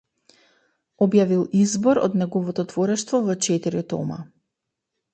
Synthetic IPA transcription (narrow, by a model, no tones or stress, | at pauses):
ɔbjavilˠizbɔɾɔ̰d̪nɛɡɔvɔt̪ɔt̪vɔɾɛʃt̪vɔvɔt͡ʃɛt̪iɾit̪ɔ̰ma̰